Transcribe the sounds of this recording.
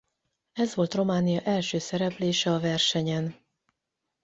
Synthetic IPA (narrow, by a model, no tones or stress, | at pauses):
ɛzʋo̞lt̪ro̞maːnijɒʔɛlʃøːsɛɾɛpleːʃɛɒvɛrʃɛɲɛn